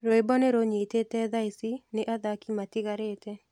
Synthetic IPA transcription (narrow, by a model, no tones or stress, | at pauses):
ɾoebɔneɾoɲetetɛðaisineʔaðakimatiɣaɾetɛ